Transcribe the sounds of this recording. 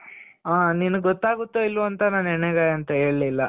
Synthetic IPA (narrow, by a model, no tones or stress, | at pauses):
aːninɐɡɡɔt̪ːaːɡut̪ːoilːʋuɐnt̪ɐnaːnɛɳeɡaːjɐnt̪ɐɦe̞ːɭlilːɐ